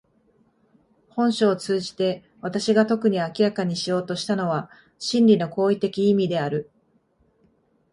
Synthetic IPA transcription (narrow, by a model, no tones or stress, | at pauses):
hõ̞ɕo̞ːt͡sɨːʑi̥t̪e̞ | βat̪aɕiɡat̪o̞kɯ̟ɲ̟iakʲiɾakaɲ̟iɕijo̞ːt̪o̞ɕi̥t̪ano̞βa | ɕĩnɾʲino̞ko̞ːit̪e̞kʲiːmʲid̪e̞aɾɯ̟